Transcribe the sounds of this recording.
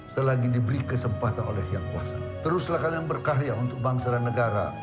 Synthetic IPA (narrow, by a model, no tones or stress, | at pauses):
səlaɡidibəɾikəsəmpat̪anʔo̰lɛhjaŋkua̰sa̰ | t̪əɾʊslahkadaŋbərkaɾiaunt̪ʊk̚baŋsadanəɡaɾa̰